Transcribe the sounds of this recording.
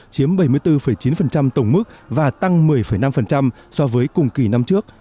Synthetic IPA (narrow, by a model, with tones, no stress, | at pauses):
t͡ɕi˨˦əmɓə˧˩jmɨ˧əjt̪ɨ˧fə˧˩jt͡ɕi˨˦nfə˨˩nt͡ɕa˧mt̪ə˧˩wŋ͡mmɨ˦˥k̚vaː˨˩t̪a˧ŋmɨ˨˩əjfə˧˩jna˧mfə˨˩nt͡ɕa˧m | sɔ˧vəː˨˦jkʊ˨˩ŋ͡mki˧˩na˧mt͡ɕɨ˦˥ək̚